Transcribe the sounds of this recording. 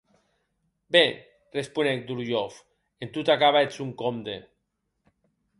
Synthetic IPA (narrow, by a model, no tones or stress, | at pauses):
be | respunek̚d̪uljof | ent̪ut̪akaβaet͡suŋkomd̪e